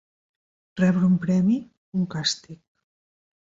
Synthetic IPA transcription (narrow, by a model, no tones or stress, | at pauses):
rɛβɾəumpɾɛmi | uŋkast̪ik